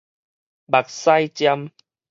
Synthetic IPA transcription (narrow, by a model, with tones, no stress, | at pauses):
ba˨˩k̚sa˧jt͡ɕja˧m